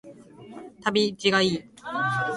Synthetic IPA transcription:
t̪ʰabit͡ɕiɡai

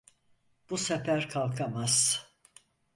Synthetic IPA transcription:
b̥usefæɾkʰalˠkʰamaz̥

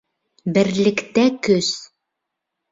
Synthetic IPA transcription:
bɘ̆ɾlɘ̆kt̪ækɵs

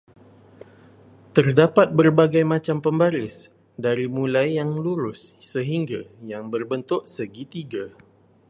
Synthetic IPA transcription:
t̪ərdapat̪̚bərbaɡajmãt͡ʃampəmbaɾɪs | daɾimũlajːaŋluɾʊssəɦiŋɡajaŋbərbənt̪ʊʔsəɡit̪iɡa

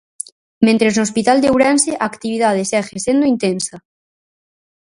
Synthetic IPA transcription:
mẽnt̪ɾeznoːspit̪ald̪ewɾɛnseʔaːkt̪iβiðað̞esɛxesẽnd̪oint̪ensɐ

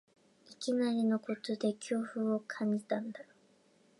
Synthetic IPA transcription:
ikʲinaɾʲino̞ko̞t͡sɨd̪e̞kʲo̞ːɸɯo̞kʰãɲ̟d͡ʑit̪ãnd̪a

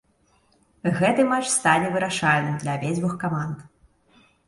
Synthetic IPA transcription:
ɣɛt̪ɨmat͡ʂst̪anʲɛvɨɾaʂalʲnɨmd̪lʲɐvʲezʲbuxkamand̪

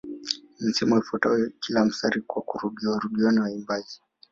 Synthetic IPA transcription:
n̩sɛmɔifɔtawɛkʰilam̩saɾikwakuɾuɠiaɾuɡiɔniwaimbazi

